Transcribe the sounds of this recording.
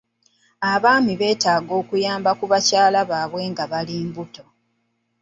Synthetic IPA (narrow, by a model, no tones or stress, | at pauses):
aβaːmiβe̞ːtaːɡo̞ːkujaːmbakuβacaːlaβaːβwe̞ːŋɡaβaliːmbuto̞